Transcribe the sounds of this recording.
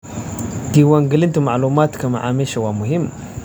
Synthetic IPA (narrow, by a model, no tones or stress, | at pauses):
diwaŋɡilintumaʕlumatkamaʕa̰meʃawamuɦimː